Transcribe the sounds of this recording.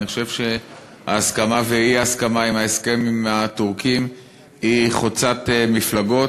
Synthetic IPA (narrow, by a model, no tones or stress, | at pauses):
iχoʃe̞vʃe̞ | a̰ːskamaveiaskamaimhaeske̞mimat̪uʁkim | iχot͡sat̪emiflaɡo̞